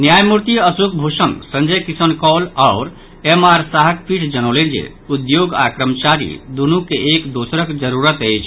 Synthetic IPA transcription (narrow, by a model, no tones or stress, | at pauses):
njajmuɾt̪iəsukbʱusənsə̃nd͡ʒəjkisənkɔlaʊɾ | emaɾsaɦəkpʰiʈʰd͡ʒənolend͡ʒḛ | ud̪joɡa̰kɾəmt͡ʃaɾḭd̪unukeʔekd̪osɾəkd͡ʒəɾuɾət̪əjt͡ʃʰ